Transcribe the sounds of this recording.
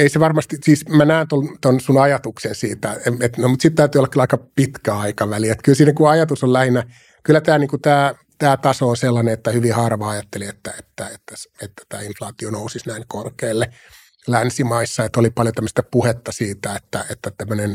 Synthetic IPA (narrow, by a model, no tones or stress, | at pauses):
eiseʋɑrmɑst̪isiːsmænæːnt̪olt̪onsunɑjɑt̪uksensiːt̪æeet̪nomut̪sit̪t̪æyt̪yːolːɑkylːæɑikɑpit̪kæɑikɑʋæliet̪kylsiːnːækuɑjɑt̪usollæhinæ | kylːæt̪æːniːŋkut̪æː | t̪æːt̪ɑsoonselːɑneet̪ːæhyʋihɑrʋɑɑjɑt̪ːeliet̪ːæet̪ːæet̪ːæset̪ːæ̥t̪æ̰ːinflɑːt̪ionousisnæiŋkorkeːlːe | lænsimɑisːɑet̪ːolipɑljot̪æmːøst̪æpuhet̪ːɑsiːt̪æet̪ːæet̪ːæt̪æmːønen